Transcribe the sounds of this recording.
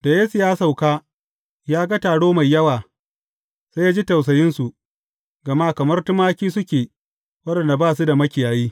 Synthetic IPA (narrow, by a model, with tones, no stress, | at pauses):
da˨je˦sɪ˨jaː˦sa˨wkaː˦ | jaː˦ɡa˦taː˨ɽoː˦ma˨jːɐ˦waː˨ | sa˦jaː˦d͡ʒi˦tɐ˨ws̬ɐ˨jɪ˦nsu˨ | ɡɐ˨ma˦kɐ˨mɐ˦rtʊ˦maː˦kʲiː˦sʊ˦kʲeː˨ | wɐ˦dɐ˨nda˨baː˦˨s̬u˦da˨mɐ˦kʲɪ˨jaː˨jiː˦